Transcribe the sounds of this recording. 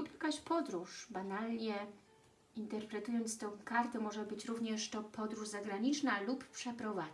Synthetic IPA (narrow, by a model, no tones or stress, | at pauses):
upjakaɕpɔd̪ɾuʂbanalɲɛ | int̪ɛɾpɾɛt̪ujɔnt̪st̪ɔ̃w̃kaɾt̪ɛmɔʐɛbɘt͡ɕɾuvɲɛʂt̪ɔpɔd̪ɾuʐzaɡɾaɲit͡ʂnaluppʂɛpɾɔva